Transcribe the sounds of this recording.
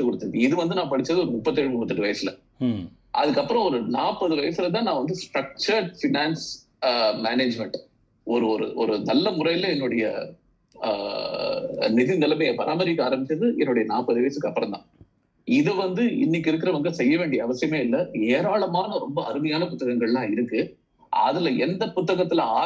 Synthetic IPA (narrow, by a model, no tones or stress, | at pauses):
ɯkɔɽɯt̪ːɯðiɪðɯʋɐnd̪ɯnãːpɐɽɪt͡ʃːɾɐðɯɔɾɯmʊpːɐt̪ːɛɻʋɯmʊpːɐt̪ːɯʈːɯʋɐjɐsɪlɐ̰ | ʔɐ̰ðɯkːɐpːɯɾɐ̃ɔɾɯnaːpːɐðɯʋɐjɐsɪlɐt̪̬ãːnãːʋɐnd̪ɯsʈɾɐk̚t͡ʃɐɾfɪnaːns | meːneːd͡ʒmɛɳʈ | ɔɾɯɔɾɯ̰ɔɾɯnɐlːɐmʊrɐjɪlɐɛnːʊɽɐjɐ̰ | nɪðɪnɪlɐmejɐpɐɾʔaːmɐɾɪkːɯaːɾɐmbɪt͡ʃːɐðɯɛnːʊɽɐjɐnaːpːɐðɯʋɐjɐsɯkːɐpːɯɾɐ̃mt̪ã̰ː | ɪðɯʋɐnd̪ɯɪ̰nːɪk̬ːɪɾɯk̬ːɪɾɐʋɐŋɡɐsɛjːɐʋeːɳɖɪjɐːʋɐsɪjɐmeːɪlːɐeːɾaːɭɐmaːnɐɾɔmbɐɐɾɯmɐjaːnɐpʊt̪ːɐɣɐŋɡɐɭlãːɪɾɯkːɯ | ɐ̰ðɪlɐɛnd̪ɐpʊt̪ːɐɣɐt̪ːɪlɐː